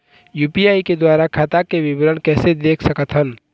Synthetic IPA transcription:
juːpiaːiked̪waːɾakʰaːt̪akeʋɪbɾənkɛːsed̪eːkʰsɐkət̪ɦən

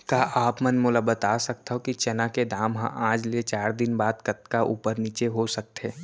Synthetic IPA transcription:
kaːʔaːpmənmʊləbət̪aːsɐk̚t̪aɦokit͡ʃɛnaked̪aːmɦã̰ʔãːd͡ʒlet͡ʃaːɾd̪ɪnbaːd̪kɐt̪kaʔuːpəɾniːt͡ʃeɦosɐk̚t̪eː

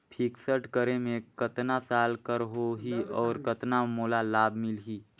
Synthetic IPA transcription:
pʰɪksəʈkəɾemẽkət̪nasaːlkəɾɦoɦiɔːɾkət̪namoːlalaːbʱmɪlɦiː

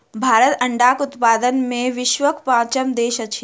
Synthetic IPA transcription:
bʱaːɾət̪ə̃ɳɖaːkʊt̪paːd̪ənmẽʋɪʃʋəkpãːt͡ʃəmd̪eːʃət͡ʃʰi

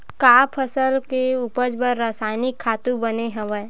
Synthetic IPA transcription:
kaːpʰəsəlkeuːpəd͡ʒbəɾːaːsaːɪnɪkʰːaːt̪ũbəneɦɐʋə

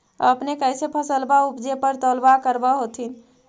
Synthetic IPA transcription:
ə̰pnekəjsepʰəsəlbaupd͡ʒepəɾt̪olbakəɾbəɦot̪in

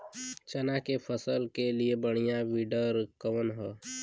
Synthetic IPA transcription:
t͡ʃənakepʰəsəlkeliebəɽ̃ijawiɖəɾkəʋənɦɛː

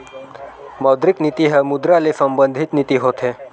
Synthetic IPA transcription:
məwd̪ɾiknit̪iɦəmud̪ɾalesəmbənd̪ʱit̪nit̪iɦot̪ʰe

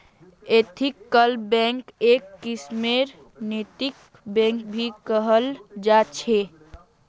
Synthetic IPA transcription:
et̪ʰikːəlbɛ̃ŋkekːismeɾ | net̪ik | bɛ̃ŋkbʱikəɦəld͡ʒat͡ʃʰe

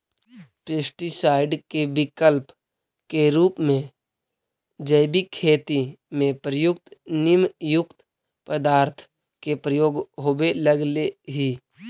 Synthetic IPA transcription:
peːsʈisaːɪɖkebɪkəlp | keɾuːpmẽ | d͡ʒəɪbikʰːeːt̪imẽpɾəjʊk̚t̪nɪmjʊkt̪ | pəd̪aːɾt̪ʰ | kepɾəjoːɡɦobeləɡleɦi

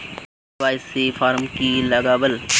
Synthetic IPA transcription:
baːɪsefʰaːɾmkilɐɡaːbəl

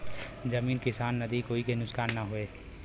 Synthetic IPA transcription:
d͡ʒɐmiːnkɪsaːnːɐd̪ikoːikenʊskaːnːaɦoeː

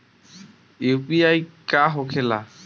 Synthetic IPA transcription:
ewpiajkaɦokʰela

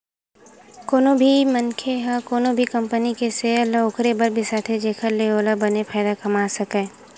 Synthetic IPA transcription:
koːnobʱimɐnkʰeɦakoːnobʱikɐ̃mpənikeseɐlːaʊkʰɾebɐɾbʱisaːt̪ʰed͡ʒeːkʰəɾleoːlabɐnepʰaːɪd̪akɐmaːsɐkẽː

